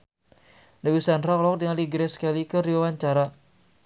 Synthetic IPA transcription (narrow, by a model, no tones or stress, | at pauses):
nawisanraklɔk̚t̪iŋaliɡɾɛsə̥kalikəɾiawaɲt͡ʃaɾa